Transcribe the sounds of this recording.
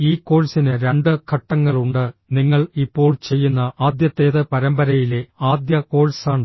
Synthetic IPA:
iːkːo̞ːɭsinɨɾe̞ɳɖɨkʰɐʈːɐŋːɐɭuɳɖɨniŋːɐɭipːo̞ːɭt͡ɕe̞jːunːɐaːd̪jɐt̪ːe̞ːðɨpɐɾɐmbɐɾɐjile̞aːd̪jɐko̞ːɭsaːɳɨ

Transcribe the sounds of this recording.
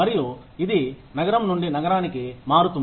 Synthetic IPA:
ɐɾiju | id̪inɐɡɐɾɐmnuɳɖinɐɡɐɾaːnikimaːɾut̪un

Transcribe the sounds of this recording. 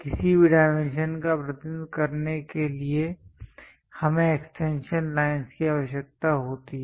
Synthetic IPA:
kɪsibiɖaːɪmẽnʃənkapɾət̪ɪd̪kɐɾnekelie | hɐmẽeksʈẽːnʃənlaːɪnskiaːʋəʃjək̚t̪aɦoːt̪iɦɛ

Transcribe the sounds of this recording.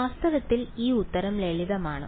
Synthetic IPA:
aːst̪ɐʋɐt̪ːiliːut̪ːɐɾɐmleɭiðɐmaːɳɨ̰

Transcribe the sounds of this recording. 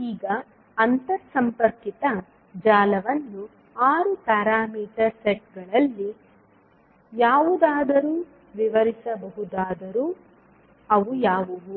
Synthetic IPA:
iːɡɐː | nt̪ɐɾsɐmpɐɾkit̪ɐ | d͡ʒaːlɐʋɐnːu | aːɾupɛːɾaːmiːʈɐɾseʈ̚ɡɐɭɐlːi | jaːʋud̪aːd̪ɐɾuː | ʋiʋɐɾisɐbɐɦud̪aːd̪ɐɾuː | ɐʋujaːʋuʋu

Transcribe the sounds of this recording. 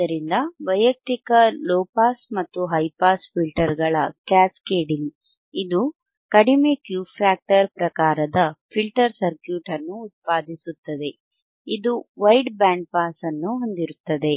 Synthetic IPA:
d̪ɐɾind̪ɐʋɐjɐk̚t̪ikɐloːpaːsmɐt̪ːuɦɐjpaːspʰilʈɐɾɡɐɭɐkaːskeːɖiŋɡ | id̪u | kɐɽime̞ːkjuːpʰaːk̚ʈɐɾpɾɐkaːɾɐd̪ɐpʰilʈɐɾsɐɾkjuːʈɐnːuːt̪̚paːd̪ʱisut̪ːɐd̪e̞ | id̪uʋɐjɖbaːɳɖ̚paːsɐnːuɦo̞nd̪iɾut̪ːɐd̪e̞

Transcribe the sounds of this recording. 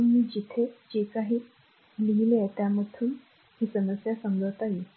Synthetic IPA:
nmiːd͡ʑit̪ʰed͡ʑekaɦiː | liɦilet̪jamət̪ʰuːn | hiːsənəsjasəŋɡəɭt̪aji

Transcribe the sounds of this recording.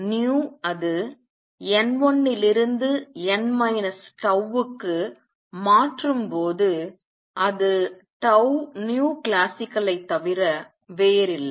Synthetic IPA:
njuːɐðɯ | ɛnʋɔnːɪlɪɾɯnd̪ɯɛnmɐjnɐsʈɐʋɯkːɯ | maːʈrɯmpoːðɯ | ʔɐðɯʈɐʊnjuːklaːsɪkːɐlɐɪt̪ːɐʋɪɾɐ | ʋeːɾɪlːɐ

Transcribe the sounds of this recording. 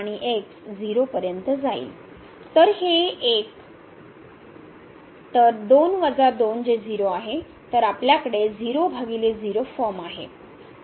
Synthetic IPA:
aɽ̃iʔeksd͡ziɾopəɾjənt̪əd͡zaḭ | t̪əɾheek̚ | t̪əɾd̪onʋəd͡zad̪ond͡zed͡ziɾoaɦe | t̪əɾapljakəɽed͡ziɾobʱaɡiled͡ziɾofəmaɦḛ

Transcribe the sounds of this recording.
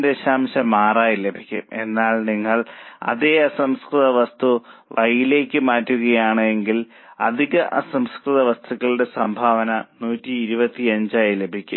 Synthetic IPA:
deɕaːmɕɐmaːraːjile̞bʱikʲːume̞̰nːaːɭniŋːɐɭɐ̰ðeɐsɐmskrɨðɐʋɐst̪uʋɐjile̞ːkʲːɨmaːtːuɣɐjaːɳɨe̞ŋɡil | ɐ̰d̪ʱiɣɐʔɐ̰sɐmskrɨðɐʋɐst̪ʰuɣɐɭde̞sɐmbʱaːʋɐnɐnuːtːiːɾubɐt̪ːiɐɲd͡ʑaːjile̞bʱikʲːu

